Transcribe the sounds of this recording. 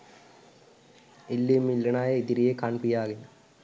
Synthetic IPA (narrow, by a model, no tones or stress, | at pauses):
ilːimːilːenaːjeid̪iɾijekanpijaːɡenə